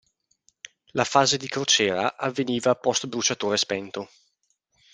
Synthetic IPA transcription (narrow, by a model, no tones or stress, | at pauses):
lafaːzed̪ikɾot͡ʃɛːɾa̰ʔavːeniːvapɔst̪bɾut͡ʃat̪oːɾespɛnt̪o